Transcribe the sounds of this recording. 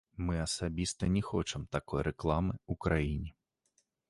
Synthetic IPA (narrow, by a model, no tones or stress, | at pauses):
mɨɐsabʲist̪ɐnʲɛxɔt͡ʂɛmt̪akɔjɾʔɛklˠamɨukɾʔajinʲi